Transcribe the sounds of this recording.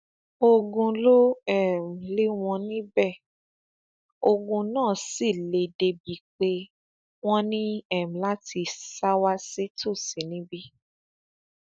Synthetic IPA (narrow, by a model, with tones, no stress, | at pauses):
o˧ɡũ˧lo˦ɛ˦˨m̩˨li˦w̃ɔ̃˧nĩ˦bɛ˦˨ | o˧ɡũ˧nãː˦˨si˦˨le˨de˨bi˨˦k͡pe˧ | w̃ɔ̃˦nĩ˦ɛ˦˨m̩̃˨la˦ti˧sa˦wa˦si˦to˦˨si˨˦nĩ˦bi˦